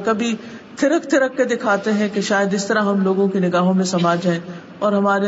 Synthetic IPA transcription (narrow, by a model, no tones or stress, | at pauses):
kɐbʱi | t̪ʰɪɾəkt̪ʰɪɾəkːed̪ɪkʰaːt̪eɦɛ̃keʃaːjəd̪ɪst̪ɐɾaɦɐmloːɡõkinɪɡaːɦõmẽsɐmaːd͡ʒʱɦɛ̃ː | ɔːɾɦɐmaːɾe